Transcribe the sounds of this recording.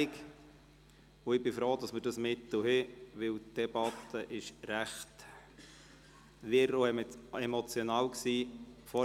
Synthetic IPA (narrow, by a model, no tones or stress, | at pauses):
k | ʊɪbɪfɾoːd̥ɑsməɾd̥ɑsmɪt̪l̩hɪʋɪltd̥ɛb̥ɑt̪əʔɪʃɾæχt | ʋɪɾoɛmt͡semɔt͡sjonɑːlksiːfɔ